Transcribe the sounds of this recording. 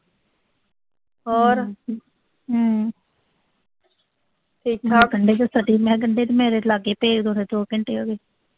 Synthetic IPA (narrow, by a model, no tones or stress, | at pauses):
ɔːɾ | ʈʰiːkːɡəɳɖeːt̪esəɖiːmɛ̃ːɡəɳɖeːt̪emɛ̃ːɾeːlaːɡeːpeːkd̪oːneːd̪oːkəɳʈeːoːɡeː